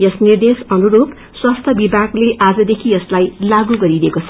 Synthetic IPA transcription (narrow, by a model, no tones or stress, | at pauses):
jʌsnird̪esʌnuɾup | swast̪ʰʌbibʱaɡleʔad͡zʌd̪ekʰijʌslajlaɡuɡʌɾidekot͡sʰʌ